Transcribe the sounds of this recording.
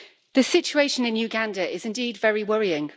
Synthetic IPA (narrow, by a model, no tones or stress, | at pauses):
ðəsɪt͡ʃueɪʃə̃nɪ̃njʉɡãndəʔɪzɪ̃ndiːdvɛɹiwʌɹiɪ̃ŋ